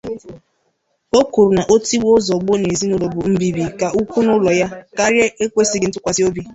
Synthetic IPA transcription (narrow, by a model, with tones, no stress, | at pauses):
o˦ku˨ɾu˨na˨ʔo˦ti˦wʊ˦zɔ˨ɡ͡bo˦ne˨zi˦nʊ˦lo˨bʊ˨m̩˦bi˨bi˨ka˨ʔu˦kʷu˦nʊ˦lɔ˨ja˦ka˦ɾje˦e˦kʷe˦si˦ɡɪ˨n̩˦tʊ˦kʷa˨si˦o˦bi˦